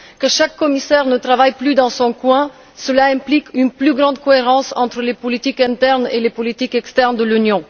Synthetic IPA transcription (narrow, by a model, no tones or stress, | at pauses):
kəʃakːɔmisɛʁnət̪ʁavajplyd̪ɑ̃sɔ̃kwɛ̃ | səlaɛ̃plikynplyɡʁɑ̃d̪̚kɔeʁɑ̃sɑ̰̃t̪χəlepɔlit̪ikɛ̃t̪ɛʁnelepɔlit̪ikɛkst̪ɛʁnd̪əlynjɔ̃